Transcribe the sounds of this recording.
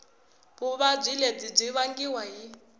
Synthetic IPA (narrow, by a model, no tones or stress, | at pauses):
buβab͡ʐʷiled͡zib͡ʐʷiβaŋɡiwaɦi